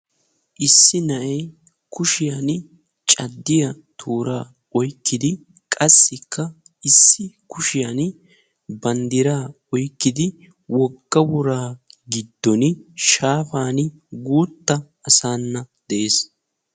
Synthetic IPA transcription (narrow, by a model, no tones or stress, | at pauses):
ʔɪsːɪnɐʔɛj | kʰʊʃɪjan | t͡ʃʼɐd̪ːɪjɐ | t̪ʰuːɾaː | ɔjkːɪd̪ɪ | kʼɐsːɪkʰːɐ | ʔɪsːɪkʊʃɪjan | bɐnd̪ɪɾaː | ɔjkːɪd̪ɪ | wɔɡːɐwʊɾaːɡɪd̪ːɔnɪʃaːfaːn | ɡuːt̪ːɐ | ɐsaːnːɐ | d̪̥ɛʔeːs